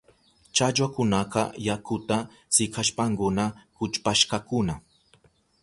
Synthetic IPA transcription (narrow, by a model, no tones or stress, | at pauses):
t͡ʃat͡ʃwakʊnaqɑ̰jakʊt̪a | sɪkʰaʃpaŋkʊnakʊt͡ʃpaʃkakʊna